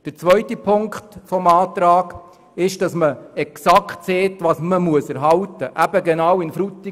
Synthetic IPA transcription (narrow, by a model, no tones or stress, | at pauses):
d̥əɾt͡sʋœɥtipʰʊŋkχtfɔmɑːt̪ɾɑːɡ | ɪʃd̥ɑsməɛksɑktseːtʋɑːsməmuəsɛɾɦɑltəʔæb̥əɡɛnɑwɪnfɾutːi